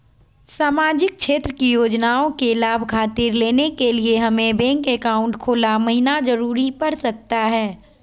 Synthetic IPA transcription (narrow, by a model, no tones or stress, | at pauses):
saːmaːd͡ʒɪk̚ʃeːt̪ɾəkijoːd͡ʒnaːõkelaːbʱkʰaːt̪ɪɾleːnekelieɦɐmẽbɛ̃ːŋkeːkaːʊ̃ɳʈkʰoːlamɐɦɪnad͡ʒɐɾuːɾipɐɾsɐk̚t̪aɦɛː